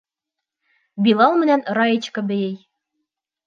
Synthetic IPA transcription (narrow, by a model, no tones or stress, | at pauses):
bilˠɑlˠmɘ̆nænɾɑjet͡ɕkɤ̆bɘ̆jɘj